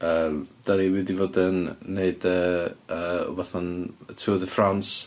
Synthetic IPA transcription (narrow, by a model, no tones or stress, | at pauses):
əːmd̥aliwɪdivoːdənːeɨdəəːɔ̰vaθɔnətʰuːðəfrans